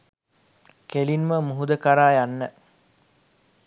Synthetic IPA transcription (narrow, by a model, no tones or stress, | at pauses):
kelinməmuɦud̪əkaɾaːjanːə